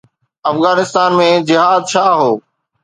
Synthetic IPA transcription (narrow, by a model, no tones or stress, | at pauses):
ɐfɣaːnɪst̪aːnmẽd͡ʑɪɦaːd̪̚t͡ʃʰaːɦoː